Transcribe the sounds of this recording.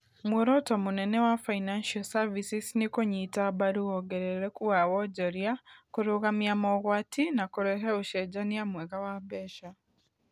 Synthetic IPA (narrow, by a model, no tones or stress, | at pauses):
mwoɾɔtɔmonɛnɛwafainanʃasavisisnikoɲitabaɾuɔɡɛɾɛɾɛkuawɔd͡ʒɔɾiakoɾoɣamjamɔɣwatinakoɾɛɦɛoʃɛd͡ʒaniamwɛɣawabɛʃa